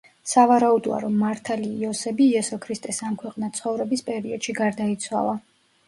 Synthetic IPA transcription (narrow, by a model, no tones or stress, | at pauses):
savaɾaud̪ɔa̰ɾɔmːaɾt̪ʰaliːɔsɛbiːɛsɔkʰɾist̪ʼɛsamkʰwɛqʼnat̪sʰχɔvɾɛbispʼɛɾiɔd̪ʃiɡaɾd̪ait̪sʰwa̰lˠa